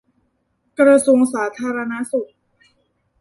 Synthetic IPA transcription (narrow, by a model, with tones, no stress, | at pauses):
kɾa˧su˧əŋsaː˩˦t̪ʰaː˧ɾa˧na˦˥su˨˩t̚